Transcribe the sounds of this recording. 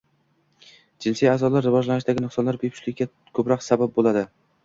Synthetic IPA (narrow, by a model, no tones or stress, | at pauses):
d͡ʒɪnsijazɒlaɾːɪvɒd͡ʒlanɪʃd̪aɡʲɪnɨqsɒnlaɾbepʰʊ̥t͡ʃlɪkʲɡʲa | kʰɵpɾɒqsabap̚bolˠad̪ɪ